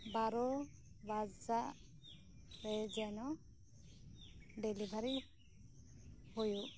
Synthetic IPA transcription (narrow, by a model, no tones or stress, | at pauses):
baɾɔ | bazaʔ | ɾɛd͡ʒɛnɔ | ɖɛlibʱaɾi | hojuʔ